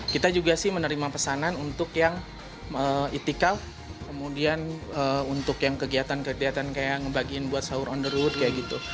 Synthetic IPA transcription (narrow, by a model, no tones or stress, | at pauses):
kit̪ad͡ʒuɡasɪhmənəɾimapəsananunt̪ʊkjaŋ | əit̪ikal | kəmudianəunt̪ʊkjaŋkəɡiat̪ankəɡiɦat̪ankajaŋəbaɡiɪnbuat̪̚saʊɾɔndəɾut̪̚kajaɡit̪u